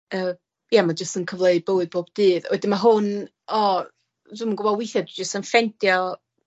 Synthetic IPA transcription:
əː | jamad͡ʒəstənkʰəvlˠeɨd̚bəwɨð̚b̥oːb̥d̥ɨːðwɛdɪnmaɦʊn | ɔ | dɪməŋɡʊbɔlˠwɪθjadwɪd͡ʒəstənfɛntjɔ

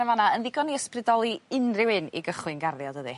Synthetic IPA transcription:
əvanaənðɪɡɔniəsprɨdɔlˠiɪnrɪwɪnḭɡəχlɨnɡarðjɔdəðɨ

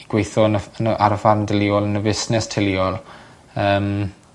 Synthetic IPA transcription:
iɡ̥wejθɔnəənəʔa̰ɾəfarndəliɔlˠənəvɪsnɛstʰɪliɔlˠ | əːm

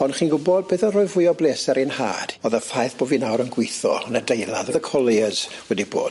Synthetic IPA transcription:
ɔnχiːnɡʊbɔd̚beːðənrʊːɨvʊjɔbleːsɛɾinha̰ːd̥oːðəfajθb̥oːvinawɾənɡwɪθɔ̰nadejlˠaðɔðəkʰɔlˠiəz̥wɛdibo̰ːd̥

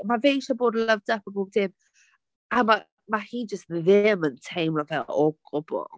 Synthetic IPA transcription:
mavejʃaboːdləvd̥apʰaboːb̚d̥ɪm | ama | mahiːd͡ʒəstðɪməntʰejmlɔvɛlɔɡ̥ʊbɔ̰

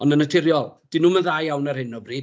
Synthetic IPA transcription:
ɔnənətʰɪɾjɔlˠd̥inuːmənðaːjjawnarhɪnɔbriːd

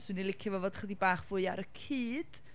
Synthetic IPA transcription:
swɨnilˠɪkʰjəvɔvoːdχədibaːχv̥ʊɨa̰ɾəkʰiːd̥

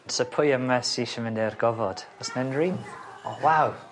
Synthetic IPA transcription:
səpʰʊjəmɛsiʃəmɪnɪrɡɔvɔd̥ɔsnɛnɹiːnɔwaw

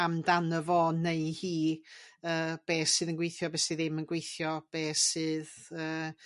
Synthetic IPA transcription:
amdanəvɔneɨhiːəːb̥eːsɨːðənɡwejθjɔbeːsɨðɪmənɡwejθjɔb̥eːsɨːðəː

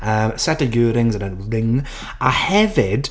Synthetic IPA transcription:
əsɛtəɡʉːɾɪ̃ŋzədənɹɪ̃ŋ | ahɛvɪd̥

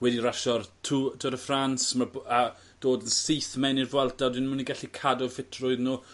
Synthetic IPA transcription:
wɛdiɾaʃɔrtʰutʰuɾəfransmaba | d̥oːdənsiθmɛnirvwɛlˠtadinməniɡaɬikʰadʊfɪtʰrʊɨðnuː

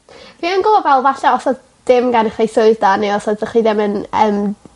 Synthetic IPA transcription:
viːənɡʊbɔvɛlˠvaɬaɔsɔ | d̥ɪmɡanɪχejsoɨðdaneɔsɔdvɛχiðɪmənəːm

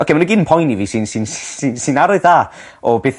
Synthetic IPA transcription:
ɔkʰemanəɡɪnnpʰɔjniviːsɨnsɨnssinsɨnaɾʊɨðaː | ɔbeːθ

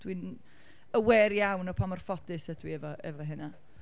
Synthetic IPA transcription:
d̥win | əwɛːrjawnɔpʰamɔr̥fɔdɨsəd̥wiɛvɔʔɛ̰vɔɦɪna

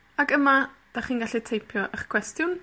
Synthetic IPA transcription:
akəma | d̥aχiːnɡaɬitʰejpʰjɔʔəχkʰwɛstjʊn

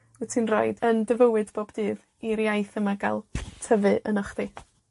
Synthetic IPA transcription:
wɛtʰinro̰ɨdəndɪvəwɨdboːbdɨːð | iɾjajθəmaɡa̰lˠtʰəvɨʔənɔχði

